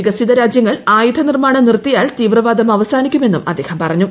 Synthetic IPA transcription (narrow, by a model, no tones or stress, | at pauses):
iɡɐsiðɐɾaːd͡ʑjɐŋːɐɭaːjud̪ʰʱɐnirmaːɳɐnirt̪ːijaːlt̪iːʋrɐʋaːd̪ʱɐmɐʋɐsaːnikʲːume̞nːumʔɐd̪ːe̞ːhɐmpɐrɐɲːu